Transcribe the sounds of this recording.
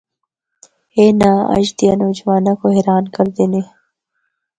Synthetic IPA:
eːnaɐ̰ʃd̪ijanoːd͡ʒwaːnakoɦeɾaːnkɐɾd̪ene

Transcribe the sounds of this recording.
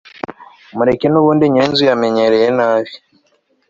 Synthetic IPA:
muɾekenuːβuːndiɲeːnzujame̞ɲeɾejenaːβji

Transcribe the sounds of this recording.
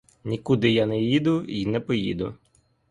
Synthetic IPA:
nʲikʊd̪ɪjanɛjid̪ʊinɛpɔjḭd̪ʊ̰

